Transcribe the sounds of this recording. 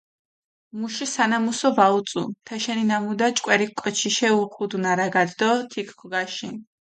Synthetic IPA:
muʃisanamusɔbaut̪sʼṵp̪ʰɛʃɛninamud̪at͡ʃʼkʼwɛɾikʼɔt͡ʃʰiʃɛuχud̪unaɾaɡad̪d̪ɔt̪ʰikʰkʰɡaʃin

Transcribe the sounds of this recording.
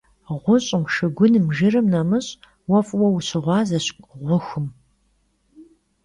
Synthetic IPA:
ʁʷʊɕʼɪmʃɨɡʷʊnɨmʒɪrɨmnɐmɨɕʼ | wɐfʼwɐwɕɪʁʷɑːzɐɕʷʼʁʷʊxɨm

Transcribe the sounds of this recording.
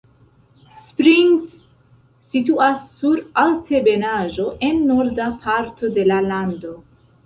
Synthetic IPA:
spɾiŋsː | ituasːuɾalte̞be̞naʒo̞ʔe̞nːoɾdapʰaɾtʰo̞de̞lalando̞

